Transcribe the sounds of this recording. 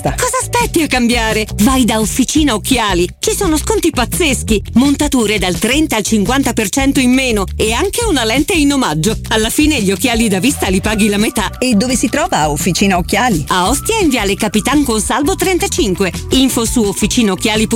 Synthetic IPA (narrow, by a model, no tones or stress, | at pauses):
akɔːzaːspɛt̪ːiakːambjaːɾevajd̪aofːit͡ʃiːnaokːjaːlit͡ʃisoːnoskont̪ipat̪sːesk̟imont̪at̪uːɾed̪alt̪ɾɛnt̪aːlt͡ʃiŋkwant̪apert͡ʃɛnt̪oimːeːnoeaŋkeunalɛnt̪einomad͡ʒːoalːafiːneʎːok̟ːjaːlid̪avist̪alipaːɡilamet̪aed̪ːoːvesit̪ɾɔːvaofːit͡ʃiːnaokːjaːliaɔst̪jaiɱviaːlekapit̪aŋkonsalvot̪ɾent̪at͡ʃiŋkweiɱfosuofːit͡ʃiːnaok̟ːjaːlip